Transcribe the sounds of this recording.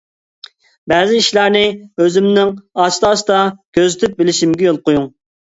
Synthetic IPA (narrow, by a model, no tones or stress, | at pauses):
bɛzɪiʃlˠɑɾnɪøzɪmnɪŋɑt͡ʃt̪ʰɑːsɨ̥d̪ɑkʲʰøzɪt̪ʰyp̚bɪlɪʃimɡʲɛjolˠqojuŋ